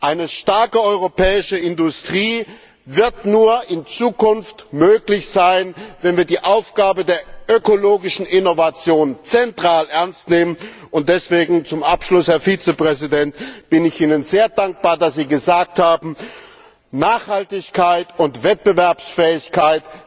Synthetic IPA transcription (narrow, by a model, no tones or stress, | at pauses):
ʔaɪnəʃtaɐkəɔʏʁopʰɛːɪʃəɪndʊstʁ̥iː | vɪɐtnuːɐɪnt͡suːkʊnftmøːklɪçz̥aɪnvɛnviːɐdiːʔaʊfɡ̥aːbədeːɐʔøkoloːɡɪʃn̩ɪnovat͡sjoːnt͡sɛntʁ̥aːlʔɛɐnstneːmən | ʊnt̚d̥ɛsv̥eːɡŋ̩t͡sʊmʔapʃlʊshɛɐfiːt͡səpʁ̥ɛzidɛntb̥ɪnɪçʔiːnənzeːɐdaŋk̚b̥aːɐdasz̥iːɡəzaːk̚thaːbm̩ | naːχhaltɪçkʰaɪtʊntv̥ɛt̚b̥əvɛɐpsfɛːɪçkʰaɪt